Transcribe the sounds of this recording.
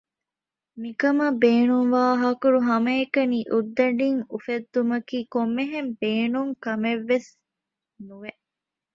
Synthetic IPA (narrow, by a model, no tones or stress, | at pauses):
mikɐmɐbeːnuŋʋaːɦɐkuɾuɦɐmɐekɐniːʔud̪ːɐɖiŋufed̪ːumɐkiːkomːeɦembeːnuŋkɐmeʋːes | nuʋeʔ